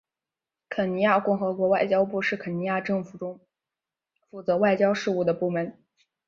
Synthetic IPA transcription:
kʰə˨˩ni˧˥ja˥˧kʊ˥˩ŋxɤ˧˥kwɔ˧˥wa˥˩ɪt͡ɕjɑ˥ʊpu˥˧ʂɻ̩˥˩kʰə˨˩ni˧˥ja˥˧ʈ͡ʂɤ˥˩ŋfu˨˩ʈ͡ʂʊ˥ŋ | fu˨˥˩t͡sɤ˧˥wa˥˩ɪt͡ɕjɑ˥ʊʂɻ̩˥˧u˥˩d̪ə˩pu˥˩mə˧˥n

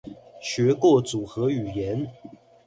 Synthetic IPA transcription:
ɕɥɛ˧˥kwɔ˥˩t͡su˨˩xɤ˧˥y˨˩jɛ˨˧˥n

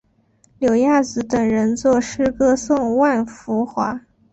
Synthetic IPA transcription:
ljo˨˩ʊja˥˩t͡sɹ̩˧˥t̪ə˨˩ŋɻə˧˥nt͡swɔ˥˩ʂɻ̩˥kɤ˥sʊ˥˧ŋwa˥˩nfu˧˥xwa̰˧˥

